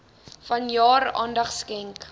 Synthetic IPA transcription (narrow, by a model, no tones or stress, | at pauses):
fɐnjɑːɾɑ̰ːndɐχskɛŋk